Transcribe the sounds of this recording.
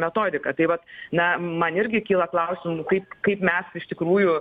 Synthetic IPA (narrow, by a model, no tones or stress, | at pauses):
mʲɛt̪oːd̪ʲɪkɐt̪ɐɪʋɐt̪nɐmɐnɪɾʲɡʲɪkʲiːlˠɐklˠɐʊsʲɪmuːkɐɪp̚kɐɪpmʲɛsɪʃt̪ʲɪkɾuːjʊ